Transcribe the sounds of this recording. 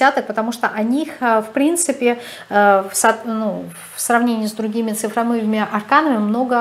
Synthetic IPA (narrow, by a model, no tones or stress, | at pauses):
sʲat̪ək̚pət̪ɐmuʂt̪oʔɐnʲixəfpɾʲint̪sɨpʲɪ | əfsɐnu | fsrɐvnʲenʲɪiːsd̪ɾʊɡʲimʲɪt̪sɨfɾɐmɨvɪmʲɪʔɐrkanəmʲɪmno̞ɡə